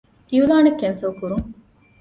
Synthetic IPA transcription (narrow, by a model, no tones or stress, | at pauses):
ʔiulaːnɐkːensɐʋkuɾuŋ